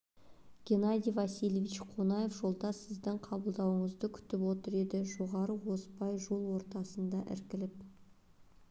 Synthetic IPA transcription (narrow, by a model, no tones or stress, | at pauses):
ɡ̥ʲe̞nad̪ijvɑsijlvit͡ʃqʰonɑje̞fʒo̞lˠd̪ɑsɪzd̪ɪɴqʰɑbəlˠd̪ɑwəɴəzd̪əkʲʰʏ̥t̪ɪpwo̞t̪əɾe̞d̪ɪʒo̞ʁɑɾəwo̞spɑjʒo̞lˠwo̞ɾt̪ɑsənd̪ɑʔɪ̰ɾkʲɪlɪp̚